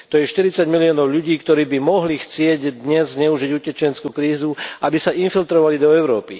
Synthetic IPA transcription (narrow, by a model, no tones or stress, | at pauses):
t̪ɔjɛʃt̪iɾit͡saɟmiliɔːnɔʊʎuɟiːkt̪ɔɾiːbimɔɦlixt͡sɪɛɟd̪ɲɛzzɲɛuʒiɟucɛt͡ʃɛnt͡skuːkɾiːzuʔabisaʔinfilt̪ɾɔʋalid̪ɔɛʊɾɔːpi